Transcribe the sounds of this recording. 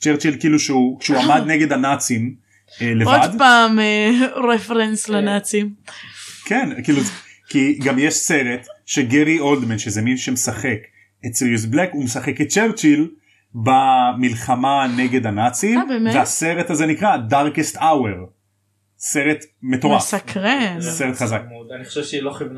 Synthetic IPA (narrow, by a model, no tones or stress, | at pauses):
t͡ʃeʁt͡ʃilkiluʃeukʃeuamad̪neɡe̞danat͡sim | leovad̪paːmeʁefʁenslanat͡sim | kenkilu | kiɡamjeʃse̞ʁet̪ʃeɡeʁio̞ld̪menʃezeminʃemesaχe̞k | et͡slizblekumesaχeket̪̚t͡ʃeʁt͡ʃil | bamilχamaneɡe̞d̪anat͡simbveaseʁetazenikʁadaʁkest̪aweʁ | se̞ʁet̪metoʁasakʁezeseʁet̪χazakodaniχo̥ʃevʃeiloχivn